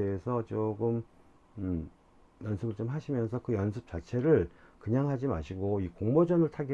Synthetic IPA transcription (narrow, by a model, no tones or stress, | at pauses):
eesʰʌt͡ɕoɡɯm | jʌnsʰɯbɯɭt͡ɕomɦaɕʰimjʌnsʰʌkɯjʌnsʰɯp̚t͡ɕ͈at͡ɕʰe̞ɾɯɭkɯɲaŋɦad͡ʑima̰ɕʰiɡoikoŋmod͡ʑʌnɯɭtʰaɡi